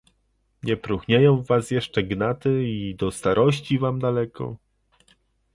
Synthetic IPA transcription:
ɲɛpɾuxɲejɔ̃w̃vasjɛʂt͡ʂɛɡnat̪ɘid̪ɔst̪aɾʔɔɕt͡ɕivamd̪alɛkʰɔ̰

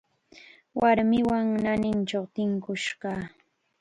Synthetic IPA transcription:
waɾmɪwaŋnanɪnt͡ʃawt̪ɪŋkʊʃɢɑː

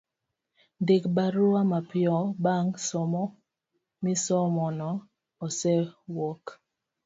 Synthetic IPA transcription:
ndekbaɾʊamapɪɔbaŋsɔmɔ | mɪsɔmɔnɔː | sɛwɔk

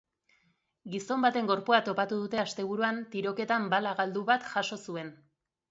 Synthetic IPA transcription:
ɡiso̞mbat̪e̞ŋɡo̞ɾpuat̪o̞pat̪uðut̪e̞ast̪e̞β̞uɾuant̪iɾo̞ke̞t̪ambalaɣald̪uβat̪ʝaʃo̞sue̞n

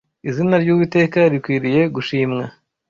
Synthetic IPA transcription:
izinaɾjuːβite̞ːkaɾikwiɾije̞ɡuʃiːmŋa

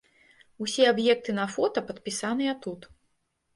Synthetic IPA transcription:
usʲɛabjɛk̚t̪ɨnɐfɔt̪ɐpɐt̪̚pʲisanɨjɐt̪ut̪

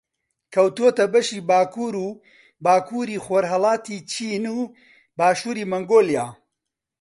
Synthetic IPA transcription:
kʰɐwt̪uot̪ɐbɐʃiːbaːkʰuːɾuː | baːkʰuːɾiːxoːɾɦɐlˠɑːt̪iːt͡ʃʰiːnuː | baːʃuːɾiːmɐŋɡoːlijaː

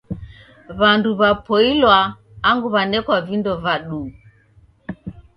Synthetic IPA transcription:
βanduβapɔilwaː | ŋɡuβanɛkwavindɔvaɗu

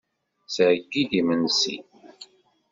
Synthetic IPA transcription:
səʕəɡːiðimənsḭ

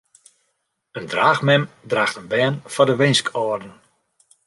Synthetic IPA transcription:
əndraːxmɛm | draːxtənbɛːnfɔdəʋɪnskʰɔːrdən̩

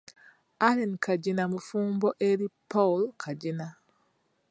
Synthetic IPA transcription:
aɾɛnkʰad͡ʒinamufuːmbɔʔeɾipɔlkʰad͡ʒina

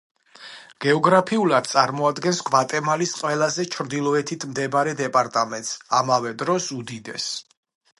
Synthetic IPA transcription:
ɡ̥ɛɔɡɾapʰiulˠad̪̥̚t̪sʼaɾmɔad̪ɡɛnsɡvat̪ʼɛmalisqʼwɛlˠazɛt͡ʃʰɾd̪ilˠɔɛt̪ʰit̪ʰmd̪ɛbaɾɛd̪ɛpʼaɾt̪ʼamɛnt̪samavɛd̪ɾɔsud̪id̪ɛ̰s

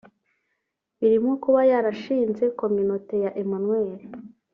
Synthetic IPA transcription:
βiɾimukuβajaɾaʃiːnze̞ko̞mynote̞jaʔemonŋweːɾe

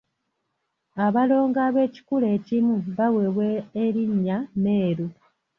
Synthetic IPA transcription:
aβalo̞ːŋɡaːβe̞ːci̥kule̞ːcimuβaweβweːɾiɲːane̞ːɾu

